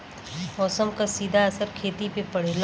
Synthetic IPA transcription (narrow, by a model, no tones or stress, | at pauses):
ɔːsəmkasiːd̪ʱaɐsəɾkʰeːt̪ipepɐɽ̤eːl